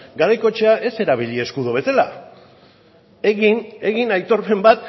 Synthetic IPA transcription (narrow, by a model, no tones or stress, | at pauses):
ɡaɾajko̞t͡ʃeaʔe̞se̞ɾaβ̞ilʎie̞skuðoβe̞sala | eɣine̞ɣinajt̪o̞ɾpe̞mbat̪̚